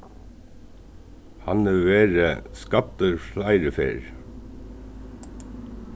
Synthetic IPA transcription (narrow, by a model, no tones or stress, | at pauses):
hɑnnʉʋeːɾəskɑt̪əɹflæɪɾəfḛːɹ